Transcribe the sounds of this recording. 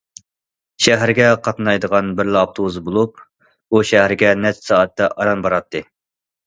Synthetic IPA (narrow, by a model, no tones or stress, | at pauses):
ʃæɦæɾɡʲɛqʰɑt̪nɑjd̪əʁɑnbɪɾlɪɑp̚t̪ʰowuzbolˠup̚ | uʃæɦɾɪɡʲɛnɛt͡ʃsɑːɑt̪ːɛʔɑɾɑnbɑɾɑt̪ʰːɨ